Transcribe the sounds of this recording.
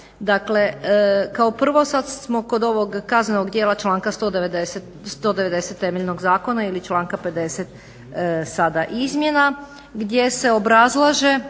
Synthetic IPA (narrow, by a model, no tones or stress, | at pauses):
d̪akle̞kaopr̩ʋo̞sad̪smo̞ko̞d̪o̞ʋoɡkaznenoɡd̪jeːlˠat͡ʃlˠaːŋkast̪o̞ːd̪eʋed̪eset̪ | st̪o̞ːd̪eʋe̞d̪e̞set̪ːe̞meʎʲno̞ɡzaːko̞nailit͡ʃlˠaːŋkape̞d̪e̞set̪ | sad̪aʔizmje̞na | ɡd̪je̞se̞obɾazlˠaʒe̞